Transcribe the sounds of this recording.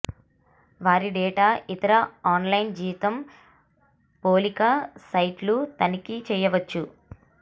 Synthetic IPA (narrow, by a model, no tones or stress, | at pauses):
ʋaːɾiɖɛːʈaːʔit̪ɐɾɐaːnlɐjnd͡ʒiːʋit̪ɐm | poːlikɐsɐjʈlut̪ɐnikit͡ʃɛːjɐʋɐt͡ʃːu